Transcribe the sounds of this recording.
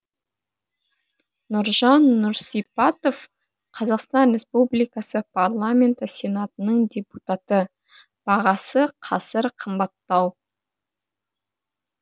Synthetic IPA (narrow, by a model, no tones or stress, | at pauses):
nʊɾʒɑnːʊɾsipat̪o̞f | qʰɑzɑqst̪ɑnɾʲe̞spublijkɑsəpʰarlˠamʲe̞nt̪əsʲe̞nat̪ənəɴdʲe̞put̪at̪ə | b̥ɑʁɑsəqʰɑsəɾqʰəmbɑt̪ːɑw